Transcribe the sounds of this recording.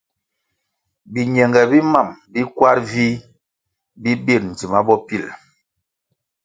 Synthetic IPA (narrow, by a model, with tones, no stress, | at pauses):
bi˨ɲɛ˨ŋɡɛ˨bi˦ma˦˨mbi˦kwa˦ɾvi˦ | bi˦bi˦˨ɾn̩˨ti˨ma˦bɔ˦pi˦˨l